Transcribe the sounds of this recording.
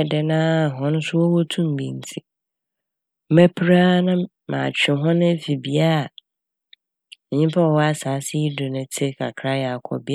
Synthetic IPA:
dɛ˨nã˦˨ɦɔ̃˨nʊ̃˦sʊ˦wɔ˦wɔ˦tʰũ˦m̩˨bḭ̃˨n̩˨tʰi˨˦ | mæ˦pʰɾa˦nʊ̃˦ | mã̰ː˨t͡ɕᶣɪ˨ɦɔ̃˦nʊ̃˦fi˨bi˨a˦˨ | ɲĩ˦m˦pʰa˦wɔ˨ɔ˦a˦saː˨˦sɪ˦i˦dʊ˨nʊ̃˨tʰɪ˦kʰa̰˨kʰɾa˦jɛ˨a˨kʰɔ̰˨bi˦˨

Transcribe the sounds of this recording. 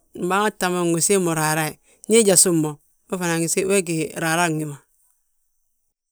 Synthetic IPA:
m̩˨ba˦a˦ta˨ma˨ɡo˨se˦mo˨ɾa˨ɾa˦i˨ | ɲi˦d͡ʒa˨su˦˨mːo˨ | me˦fa˨na˨ŋi˨se˦e˦ɡ̬i˨ɾa˨ɾa˦˨ŋi˨ma˨

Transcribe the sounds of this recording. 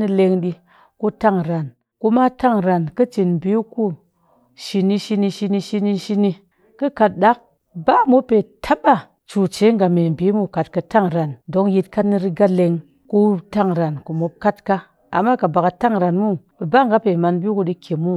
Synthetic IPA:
ni˧le˧ŋɗi˧ | ku˧ta˦˨ŋɾa˨n | ku˧˦ma˦ta˦ŋɾa˨nkə˦t͡ʃi˨nm˨bi˨˦ku˦ | ʃi˧ni˧ʃi˧ni˧ʃi˧ni˧ʃi˧ni˧ʃi˧ni˧ | kɨ˦ka˧t̚ɗa˦k̚ | ba˦˨mo˦pːe˨tʰa˦ba˦ | t͡ʃu˨t͡ʃe˨˦ŋ˨ɡa˨˧me˨m˨bi˨˦mu˦ka˨t̚ka˧ta˦˨ŋɾa˨ndo˨˦ŋji˧tka˦tni˧ɾi˧ɡa˦le˧ŋ | ku˦ta˦ŋɾa˨nku˨mo˧p̚ka˦tka˦ | a̰˨mːa˦ka˨ba˨ka˧ta˦˨ŋɾa˨nmu˦bɨ˨ba˦ŋɡa˦pe˨ma˧nbi˦ku˧ɗi˧kʲʰe˨mu˦

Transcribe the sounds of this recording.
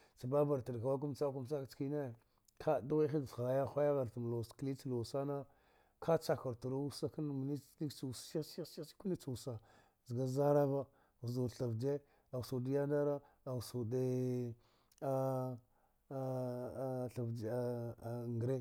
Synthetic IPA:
t͡sa˨ba˦ba˨ɾtə˨dka˨wa˦k̬u˦mt͡sa˦ku˦m˦t͡sa˦kt͡ski˦ne˦˨ | kʰa˦da˦i˦xi˦˨a˨ja˦xʷa˦ja˦ɣa˨ɾtə˨m˨lo˨skli˦t͡si˦lo˨sa˦na˦ | kʰa˦t͡sa˨ka˨ɾtu˨ɾo˦u˦sa˦kə˦n˨m˨ni˦li˦kt͡su˨ssi˦sssi̥˦ku˦li˦t͡su˨u˨sa˨ | zə˨ɡa˦za˦ɾa˦va˦ | ɣzu˨ɬa˨vd͡ʒe˦ | a˨su˨di˦ja˦da˦ɾa˦ | a˨su˨de˦ | a˦˨ | ɬa˨vŋɡɾe˦

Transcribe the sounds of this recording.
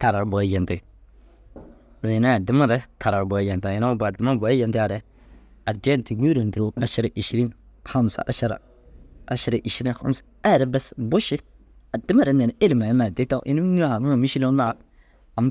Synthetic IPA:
ta˨ɾa˨ɾbɔ˨˦jɛ˨nti˨ | do˨i˨na˦a˨dɪ˦ma˦ɾɛ˦tʰa˨ɾa˨ɾbɔ˨˦jɛ˨nta˨ɪ˨na˦ba˨dɪ˦ma˦ba˨˦jɛ˨ntɪ˦a˨ɾɛ˨˦ | a˨dɛ˦nti˨ɡu˦ɾa˨ndi˨ɾo˨˦a˨ʃi˦ɾa˨ʔi˨ʃi˦ɾi˦n | xa˦m˨sa̰˨ʔa̰˦ʃa˨ɾa̰˨ | a̰˨˦ʃi˨ɾa˨ʔi˨ʃi˦ɾi˦nxa̰˦msḁ˨a˦˨ɾɛ˦bɛ˦sbʊ˦ʃi˦ | a˨di˦ma˦˨ɾɛ˨˦nɛ˨e˦li˨ma˨ji˦ma˨de˦ta˦ʔḭ˦ni˦n˦a˦a˨mu˦a˨mi˦ʃi˦lo˦na˦˨˦k | a˨m˦

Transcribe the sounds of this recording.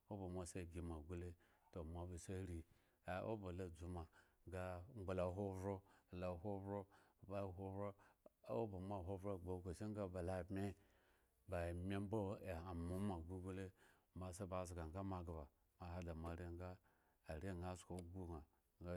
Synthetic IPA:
o˦bo˨ma˨se˦˨ɡʲi˨ma˨ɡu˦le˦ | to˨mʷa˨ba˨sa˦ɾi˨ | a˦ʔo̰˦ba˨la˦d͡zu˦ma˨ɡa˦ŋ͡mɡ͡ba˨la˨˦ɦo˦vɾo˦˨la˨ɦo˦bɾo˦˨ba˦˨ɦo˦bɾo˦o˦ba˨ma˦˨ɦʷo˦bɾo˦˨ɡ͡bo˨˦ko˨ʃi˦ŋɡa˦ba˨la˨me˦ | ba˨mʲe˦m˦bo˦e˨a˨mu˦ma˨ɡu˦ɡu˦le˦ | ma˨sa˦ba˨zɡa˨ŋɡa˦ma˨ɡa˨ba˨ | ma˨ha˦da˨ma˨ɾe˦ŋɡaː˦˨ | ɾe˦ŋɡa˦sko˨˦ɡu˦ŋa˨ | ɡa˦

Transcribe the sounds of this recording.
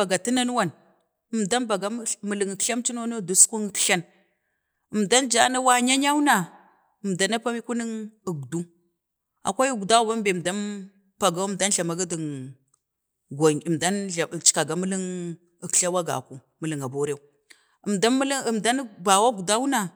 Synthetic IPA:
a˨ɡa˨ti˦na˦n˦wa˦˨n | ə˨mda˦nba˨ɡa˦mə˨lə˨ŋə˨kɬa˦mt͡ʃi˦n˦o˦no˦˨du˨˦sʷu˦ŋ˨˦tɬa˦n | ə˨mda˦nd͡ʒa˦na˦wa˦ɲa˦ɲa˦wu˦na˨ | ə˨mda˨na˦pa˦mi˦ku˦nə˦ŋə˨ɡdu˦ | a̰˨kʷa˦ju˦ɡu˨da˦u˨ba˦mbe˨m˨da˦m | pa˨ɡa˨˦mda˦nɬa˨ma˨ɡa˦di˨ŋ | ɡa˨ə˨da˦na˨t͡ʃi̥˨ka˨ɡa˨mə˦li˦ŋ˨ | kɬa˦wa˦ɡa̰˨ku˨ | mə˨lə˨ŋa˨bo˦ɾe˦u˦˨ | ə˨mda˦lmda˦n˦ba˨wa˦ɡu˨da˦wu˦na˨

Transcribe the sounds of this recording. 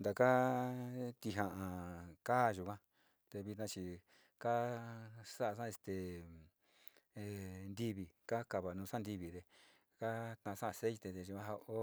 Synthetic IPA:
nd̪a˨ka˦ | t̪i˧ɦã˧ʔã˨kaː˦˨˧ʒu˧˨kã˦ | t̪e˧βi˧t̪nã˧t͡ʃi˧ | ka˦ | sa˦a˧s̬ã˦e˧t̪e˨ | e˧nd̪i˦βi˨ka˦ka˧βa˨nũ˧sa˦nd̪i˧βi˧˨ðe˧ | ka˦t̪ã˧sã˦ʔse˦i˧t̪e˧ðe˧ʒu˧kã˧ɦa˧o˦

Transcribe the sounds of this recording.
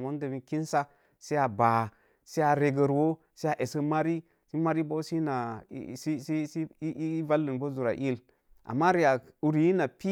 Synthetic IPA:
mo˦n˦de˨bi˦ki˦n˦sa˦ | se˦a˨ba˨ | se˦a˨ɾe˨ɡə˨ɾwo˦ | se˦a˨ʔe˨sə˦ma˦ɾi˦ | si˦ma˦ɾi˦bo˦si˦na̰˨˦˨i˦i˦i˦va˦lːi˨nbo˦zu˨ɾa̰˨ʔi˦l | ʔa̰˨mːa˦ɾi˨ja˨ | u˨ɾi˨ji˦na˨pi˦

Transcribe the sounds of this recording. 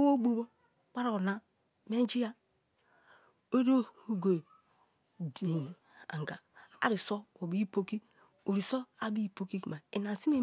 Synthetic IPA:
wo˦ɡ͡bo˦bo˦ | k͡pa˦ɾo˨o˨na˦ | me˦d͡ʒi˦ja˦ | o˦ɾo˦o˨ɡo˨ | di˨ | a̰˨ŋɡa˨a̰˨˦ɾi˨so˦o˨bi˦i˦po˦ki˦ | u˨ɾi˨so˦a˦bi˦i˦˨po˦ki˦˨ma˨ḛ˨na˨si˦me˦˨

